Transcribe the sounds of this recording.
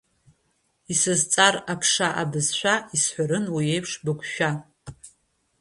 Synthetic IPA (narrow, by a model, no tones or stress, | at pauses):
isɨzt͡sʼarapʰʂaʔabɨzħʷᶣaisħʷaɾɨnwiejpʰʂbɨkʷʼʃᶣa